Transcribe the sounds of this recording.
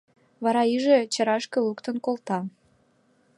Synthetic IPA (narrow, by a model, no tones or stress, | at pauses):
βɑɾɑiʒet͡ɕə̆ɾɑʃkəlukt̪ənkolt̪ɑ